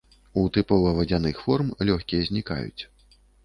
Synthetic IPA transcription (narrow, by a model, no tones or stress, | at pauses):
ut̪ɨpɔlˠɐvɐd͡zʲanɨxfɔrmlʲɔxʲkʲijɛzʲnʲika̰jṵt͡sʲ